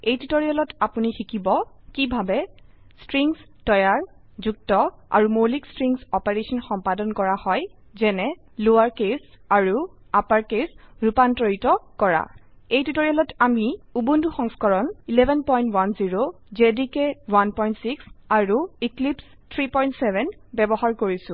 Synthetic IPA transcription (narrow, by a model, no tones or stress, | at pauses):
ejtutoɹialɔtapunixikibɔ | kibʱabɛ | stɹiŋstɔjaɹ | zuk̚tɔa̰ɹumolikstɹiŋsɔpeɹesɔnxɔmpadɔnkɔɹahɔj | zɛnɛ | lowaɹkes | aɹu | apaɹkesɹupantɹoitɔkɔɹa̰ejtutoɹijalɔtamiubunduxɔŋskɔɹɔnilɛbʱɛnpɔjntwanziɹo | zɛdikɛwanpɔjntsiksaɹuiklips | tʰɹipɔjntsɛbʱɛnbɛbɔɦaɹkoɹisʊ̃